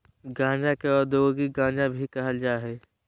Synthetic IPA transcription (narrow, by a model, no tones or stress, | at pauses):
ɡãːd͡ʒakeɔːɾd̪ooɡiɡãːnd͡ʒabʱikɐɦəld͡ʒaːɦeː